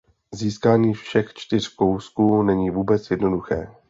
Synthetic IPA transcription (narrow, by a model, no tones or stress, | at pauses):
ziːskaːɲiːfʃɛxt͡ʃt̪ɪr̝̥ko̞wskuːnɛɲiːvuːbɛt͡sjɛdno̞duxɛ̰ː